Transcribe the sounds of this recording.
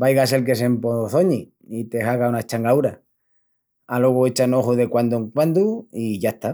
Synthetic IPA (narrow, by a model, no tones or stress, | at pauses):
bajɣase̞lk̬e̞s̬e̞mpoθo̞ɲi | it̪e̞haɣaunat͡ʃaŋɡawɾa | alwe̞ɣoe̞t͡ʃanoxuðe̞kwand̪ueŋkwand̪uiʝaeht̪a